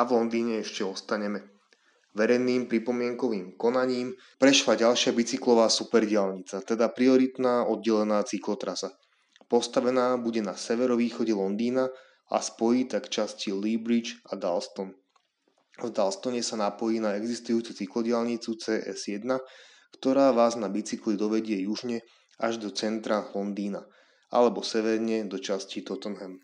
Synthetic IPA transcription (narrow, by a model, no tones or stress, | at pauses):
aʋlɔnd̪iːɲɛɛʃcɛɔst̪aɲɛmɛ | ʋɛɾɛjniːmpɾipɔmɪɛŋkɔʋiːmkɔnaɲiːm | pɾɛʃlaɟalʃɪabit͡siklɔʋaːsupɛɾɟɪalɲit͡sat̪ɛd̪apɾiɔɾit̪naːɔd̪̚ɟɛlɛnaːt͡siklɔt̪ɾasa | pɔst̪aʋɛnaːbuɟɛnasɛʋɛɾɔʋiːxɔɟɛlɔnd̪iːna | ʔa̰spɔjiːt̪akt͡ʃascilibɾid͡ʒad̪alst̪ɔn | vd̪alst̪ɔɲɛsanapɔjiːnaɛɡzist̪ujuːt͡sut͡siklɔɟɪalɲit͡sut͡sɛːʔɛ̰z̥jɛd̪na | kt̪ɔɾaːʋaːznabit͡siklid̪ɔʋɛɟɪɛjuʒɲɛ | aʒd̪ɔt͡sɛnt̪ɾalɔnd̪iːna | a̰lɛbɔsɛʋɛɾɲɛd̪ɔt͡ʃascit̪ɔt̪ɔnɦɛm